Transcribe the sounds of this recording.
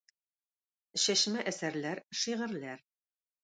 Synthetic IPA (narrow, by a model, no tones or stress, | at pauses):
ɕæʃmæʔæsæɾlæɾʃiʁɘ̆ɾlæɾ